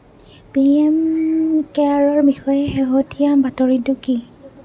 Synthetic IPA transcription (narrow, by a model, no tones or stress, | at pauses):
piɛmkɛaɹɔɹbixɔjɛxeɦotijabatɔɹiduki